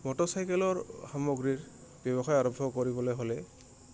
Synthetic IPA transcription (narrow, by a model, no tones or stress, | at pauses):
mɔtɔsajkɛlɔɹxamɔɡɹiɹ | bjɔbɔxajaɹɔbʱɔkoɹibɔlɔɦolɛ